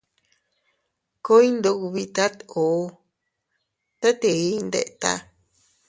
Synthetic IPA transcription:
ko˦i˦nd̪o˧˦ku˧βi˧t̪a˦t̪o˨˦ | t̪a˦t̪e˨i˦˧nd̪ḛ˨ʔt̪a̰˧

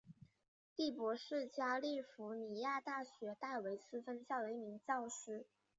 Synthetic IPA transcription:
t̪i˥˩pwɔ˧˥ʂɻ̩˥˩t͡ɕja˥li˥˩fu˧˥ni˨˩ja˥˧t̪a˥˩ɕɥɛ˧˥t̪a˥˩ɪwe˧˥ɪt͡sɹ̩˥fə˥nɕjɑ˥˩ʊd̪ə˩i˥˩mi˧˥ŋt͡ɕɑ˥˧ʊʂɻ̩˥

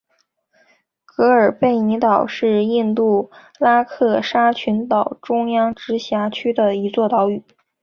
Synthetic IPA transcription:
kɤ˧˥ə˞˨˩pe˥˩ɪni˧˥t̪ɑ˨˩ʊʂɻ̩˥˧i˥˧nt̪u˥˩ | la˥kʰɤ˥˩ʂa˥t͡ɕʰy˧˥nt̪ɑ˨˩ʊʈ͡ʂʊ˥ŋjɑ˥ŋʈ͡ʂɻ̩˧˥ɕja˧˥t͡ɕʰy˥d̪ə˨i˧˥t͡swɔ˥˩t̪ɑ˧˥ʊy˨˩˦

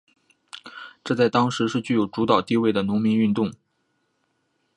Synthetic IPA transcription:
ʈ͡ʂɤ˥˧t͡sa˥˩ɪt̪ɑ˥ŋʂɻ̩˧˥ʂɻ̩˥˧t͡ɕy˥˩jo˨˩ʊʈ͡ʂu˧˥t̪ɑ˨˩ʊt̪i˥˧we˥˩ɪd̪ə˩nʊ˧˥ŋmi˧˥ny˥˧nt̪ʊ˥˩ŋ

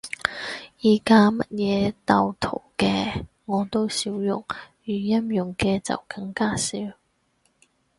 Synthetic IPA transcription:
jiː˨˩kaː˥mɐ˥t̚jɛː˨˧t̪ɐ˨˧wt̪ʰo˨˩wkɛː˧ | ŋɔː˨˧t̪o˥wsi˧wjʊ̰˨ŋjyː˨˩jɐ˥mjʊ˨ŋkɛː˧t͡sɐ̰˨wkɐ˧ŋkaː˥siː˨˥w

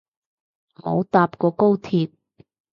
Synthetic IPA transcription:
mo˨˧wt̪aː˧p̚kɔː˧ko˥wt̪ʰiː˧p̚

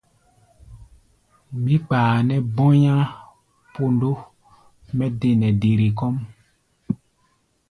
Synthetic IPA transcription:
mĩ˦k͡paː˨nɛ˦bɔ̃˦ɲã˦ | po˦ndo˦ | mɛ˦de˦nɛ˨de˨ɾe˨kɔ˦m

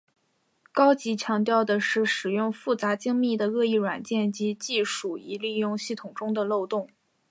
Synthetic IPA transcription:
kɑ˥ʊt͡ɕi˧˥t͡ɕʰjɑ˧˥ŋt̪̬jɑ˥˩ʊd̪ə˩ʂɻ̩˥˩ʂɻ̩˨˩jʊ˥˧ŋfu˥˩t͡sa˧˥t͡ɕi˥ŋmi˥˩d̪ə˩ɣɤ˥˧i˥˩ɻwa˨˩nt͡ɕjɛ˥˩nt͡ɕi˧˥t͡ɕi˥˧ʂu˨˩i˧˥li˥˧jʊ˥˧ŋɕi˥˩t̪ʰʊ˨˩ŋʈ͡ʂʊ˥ŋd̪ə˨lo˥˧ʊt̪ʊ˥˩ŋ

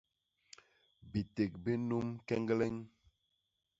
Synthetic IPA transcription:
bi˨te˨k̚bi˦nu˦mkɛ˦ŋɡlɛ˦ɲ

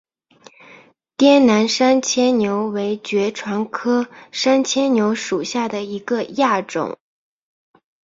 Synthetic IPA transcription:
t̪jɛ˥nna˧˥nʂa˥nt͡ɕʰjɛ˥nnjo˧˥ʊwe˧˥ɪt͡ɕɥɛ˧˥ʈ͡ʂʰwɑ˧˥ŋkʰɤ˥ʂa˥nt͡ɕʰjɛ˥nnjo˧˥ʊʂu˨˩ɕja˥˩d̪ə˩i˧˥ɡə˧ja˥˩ʈ͡ʂʊ̰˨˩˦ŋ

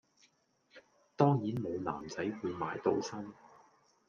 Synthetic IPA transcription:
t̪ɔː˥ŋjiː˨˥nmo˨˧wla̰ː˨˩mt͡sɐ˨˥jwuː˨˧jmaː˨˧jt̪o˨˧wsɐ˥m

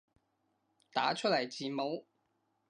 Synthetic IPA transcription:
t̪aː˨˥t͡ʃʰɵ˥t̚lɐ˨˩jt͡siː˨mo˨˥w

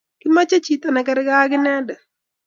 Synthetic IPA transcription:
kɪ˦ma˦t͡ʃa˦t͡ʃi˨t̪a˨nɛ˨kɛ˦ɾɛ˦ɡa˦ɡɪ˦nɛ˦dɛ˨

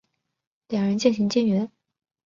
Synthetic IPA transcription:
ljɑ˨˩ŋɻə˧˥nt͡ɕi˥˩nɕi˧˥ŋt͡ɕi˥nɥɛ˧˥n

